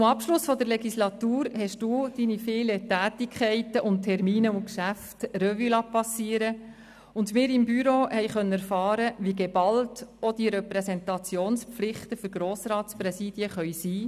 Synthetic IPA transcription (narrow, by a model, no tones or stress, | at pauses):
ʊmɑpʃlʊsfɔd̪əɾlɛɡislɑt̪uːɾhɛʃd̥uːd̥inifeːlətæːtikχɛɪtəʔʊnttʰːɛɾmiːnəʊnkʃæftrœvylɑpɑsːiːəɾə | ʊndmɪːɾɪmbyɾohɛjχœnːəæɾfɑːɾəʋiɡebɑltɔd̥iɾɛpɾɛsɛntɑt͡sjoːnspflɪχtəfʏɾɡ̥ɾoːsɾɑːtspɾɛsiːd̥iəχœʏsiː